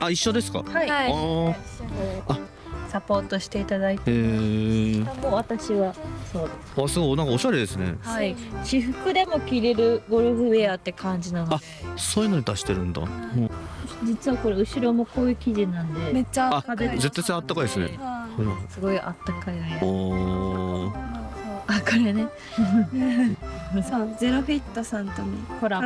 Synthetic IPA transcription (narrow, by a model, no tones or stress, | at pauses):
aiɕːo̞d̪e̞sɨ̥ka̰haihai | koɾea | sapo̞ːt̪o̞ɕi̥t̪e̞it̪ad̪ait̪ː | amoβat̪aɕiβaso̞ːd̪esɨ̥asɨɡonãŋkaoɕaɾe̞d̪e̞sɨnḛhaiɕiɸɯ̟kɯ̟d̪e̞mo̞kʲiɾe̞ɾɯ̟ɡo̞ɾɯ̟ɸɯ̟eaːt̪ːe̞kʰãɲ̟d͡ʑinanoa | soːji̟noɲ̟id̪aɕi̥t̪e̞ɾɯ̟̃nd̪a̰ | d͡ʑit͡sɨβako̞ɾeɯ̟ɕiɾo̞mo̞ko̞ːjɯkʲiʑinãnd̪emet͡ɕːaaad̪ezet̪ːat̪ːaat̪ːakaid̪sɨnḛhasɨɡo̞iʔat̪ːakajai | oakajene | ozeɾoɸʲit̪ːosãnt̪omikoɾa